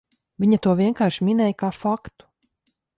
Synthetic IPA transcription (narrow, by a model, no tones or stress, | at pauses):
viɲɐt̪uɔviɛŋkaːɾʃminɛːjkaːfakt̪u̥